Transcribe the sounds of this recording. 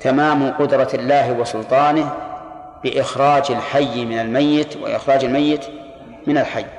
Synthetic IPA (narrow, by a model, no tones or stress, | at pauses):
t̪ʰamaːmqʊd̪ɾˤɑɪlːaːɦwɪsʊlt̪ˤɑːnɪh | b̥ɪʔɪxɾˤɑːd͡ʒalħajːmɪnalmajːɪt̪wɪ̰ʔɪ̰xɾˤɑːd͡ʒalmajːɪt̪ | mɪnalħajː